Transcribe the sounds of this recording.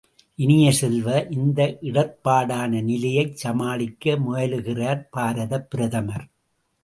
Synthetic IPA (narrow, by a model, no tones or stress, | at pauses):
ʔɪnɪjɐsɛlʋɐʔɪnd̪ɐʔɪɽɐpːaːɽaːnɐnɪlɐjɐɪt͡ʃsɐmaːɭɪkːɐmʊjɐlɯɣɪraːɾpaːɾɐðɐpːɪɾɐðɐmɐɾ